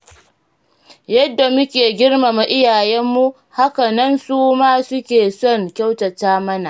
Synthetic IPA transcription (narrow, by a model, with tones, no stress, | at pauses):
jɐ˦dːa˨mʊ˦kʲeː˨ɡʲɪ˦rma˨ma˨ʔɪ˦jaː˨jɛ˦mːu˦ | ha˦ka˨nɐ˦nsuː˦maː˦sʊ˦kʲeː˨sɔ˦˨ŋkʲa˦wtɐ˨taː˦mɐ˦na˨ʔ